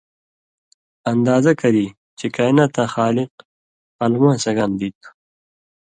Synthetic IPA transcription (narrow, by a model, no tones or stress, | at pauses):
ɐnd̪ɑːzakaɾi | t͡ʃekajnat̪axɑːlɪq | almãːnsɐɡand̪it̪